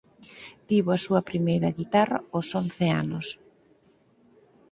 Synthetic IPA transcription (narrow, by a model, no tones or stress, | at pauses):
t̪iβoɐsuɐpɾimejɾɐɣit̪arɐosonθea̰nos